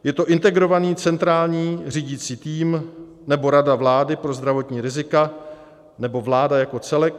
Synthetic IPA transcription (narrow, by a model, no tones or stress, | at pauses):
jɛt̪o̞ʔɪnt̪ɛɡɾo̞vaniːt͡sɛnt̪ɾaːlɲiːriːɟit͡siːt̪iːm | nɛbo̞ɾadavlaːdɪpɾo̞zd̪ɾavo̞t̪ɲiːɾɪzɪka | nɛbo̞vlaːdajako̞t͡sɛlɛk̚